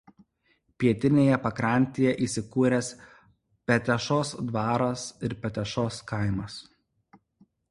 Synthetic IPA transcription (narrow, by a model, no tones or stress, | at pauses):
pʲiɛt̪ʲɪnʲeːjɛpɐkɾɐˑnʲˑt̪ʲeːjɛʔiːsʲɪkuːɾʲɛs | pʲɛt̪ʲɛʃoːsd̪ʋɑːɾɐsɪɾpʲɛt̪ʲɛʃoːskɐˑɪmɐs